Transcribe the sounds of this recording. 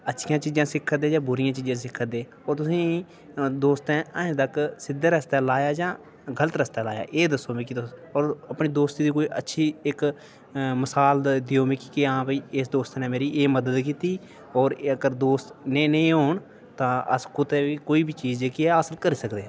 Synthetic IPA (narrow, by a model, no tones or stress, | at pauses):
ətːʃʰɪjãːt͡ʃiːd͡ʒãːsɪkʰːəd̪eːd͡ʒãːbʊɾɪjãːt͡ʃiːd͡ʒãːsɪkʰːəd̪eː | ɔːɾt̪ʊsĩː | d̪oːst̪ɛ̃ːəẽt̪əksɪd̪ːeːɾəst̪aːlaːjaːd͡ʒãː | ɡələt̪ɾəst̪aːla̰ːja̰ːʔeːd̪əsːõːʋiːkɪt̪ɔːɾəpɳiːd̪oːst̪iːd̪iːkoːiːʔətːʃʰiːɪk | məsaːld̪d̪ijoːmiːkikiãːpəiːɪsd̪oːst̪ːnɛ̃ːmeːɾiːʔeːməd̪əd̪kiːt̪iː | ɔːɾəɡəɾd̪oːst̪nẽːnəĩːɦoːɳ | t̪ãːə̰skʊt̪eːʋiːkoːiːbʱiːt͡ʃiːd͡ʒeːkiaːsəlkəɾiːsəkd̪eː